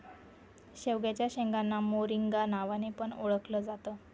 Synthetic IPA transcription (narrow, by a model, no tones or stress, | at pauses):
ɕeʋɡjat͡ɕjaɕẽŋɡanːamoɾiŋɡanaʋanepəɳoɭəkləːd͡zat̪əː